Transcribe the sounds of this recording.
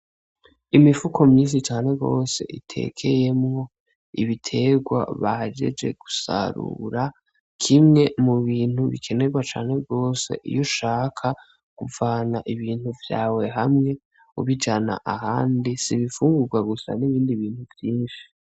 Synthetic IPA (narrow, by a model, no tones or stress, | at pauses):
imifukʰo̞mɲiːnsit͡ʃaːne̞ɡo̞ːse̞̰ʔitʰe̞̰kʰe̞je̞mŋo̞ | iβitʰe̞ɡwa̰βahad͡ʒe̞̰d͡ʒe̞̰ɡ̥usa̰ɾṵɾa | kʰimŋe̞muβiːn̥huβḭkʰe̞ne̞ɡwat͡ʃaːne̞ɡo̞ːse̞̰ʔḭjoʃaːkʰa | kuvaːnaʔiβiːnhuvjaːwe̞ɦamŋe̞ | uβid͡ʒana̰ʔaɦaːndisiβifuːŋɡuɾɡwaɡusa̰niβiːndiβiːnhuvjiːnʃi̥